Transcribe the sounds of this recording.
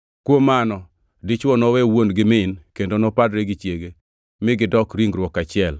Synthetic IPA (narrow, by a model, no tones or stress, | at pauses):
kwomanɔ | dɪt͡ʃwɔnɔwɛwonɡɪmɪnkendonɔpadɾeɡɪt͡ʃjeɡe | mɪɡɪdɔkɾiŋɾwɔkat͡ʃɪɛl